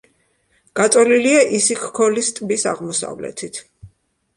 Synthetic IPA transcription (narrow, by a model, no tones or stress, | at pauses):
ɡ̥at̪sʼɔliliaʔisikʰkʰɔlist̪ʼbisa̰ʁmɔsa̰vlɛ̰t̪ʰit̪ʰ